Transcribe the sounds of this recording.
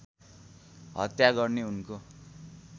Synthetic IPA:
ɦʌ̰t̪jaɡʌrneunko

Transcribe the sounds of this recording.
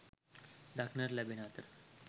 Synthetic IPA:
ɖakʰnəɾlabiɳ̃at̪əɾ

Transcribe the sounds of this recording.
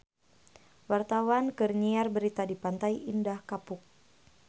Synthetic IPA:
wart̪awankɨrɲiarbəɾit̪adipant̪aiʔindahkapʊk̚

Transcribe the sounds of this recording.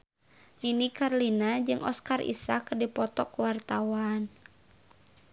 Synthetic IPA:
ninikaɾlinad͡ʒɨŋʔɔskarʔḭsakdipɔt̪ɔkuwart̪awan

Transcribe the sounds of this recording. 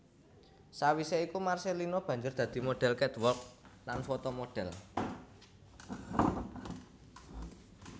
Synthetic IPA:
sawiseikumarselinob̥ä̤ɲd͡ʒʊrd̪̥ä̤d̪̥i̤moɖ̥ɛ̤lkɛt̪wɔrk̚lanfot̪ɔmoɖ̥ɛ̤l

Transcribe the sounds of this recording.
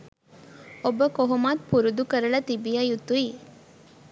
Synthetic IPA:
obəkoɦumaːt̪̚puɾud̪ukəɾɐɭɐt̪ibijɐjut̪ːui

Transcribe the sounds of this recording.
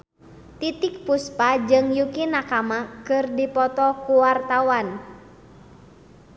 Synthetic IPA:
t̪it̪ɪk̚puspad͡ʒɨŋjukinakamakɨrdipɔt̪ɔkuwart̪awan

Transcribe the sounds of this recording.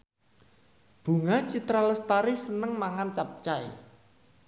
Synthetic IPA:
b̥ṳŋat͡ʃit̪ɾaləst̪aɾɪsənəŋmaŋant͡ʃap̚t͡ʃaḛ

